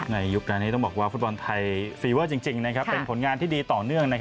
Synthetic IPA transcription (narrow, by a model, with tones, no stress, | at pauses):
na˧jːu˦˥k̚ɾaː˧niː˦˥˩t̪ɔ˥˩bɔː˨˩k̚waː˥˩fu˦˥t̪̚bɔ˧nt̪ʰa˧jfiː˧wəː˥˩t͡ɕi˧ŋt͡ɕi˧ŋna˦˥kʰa˦˥pːe˧npʰo˩˦nŋaː˧nt̪ʰiː˥˩diː˧t̪ɔː˨˩nɯ˥˩əŋna˦˥kʰ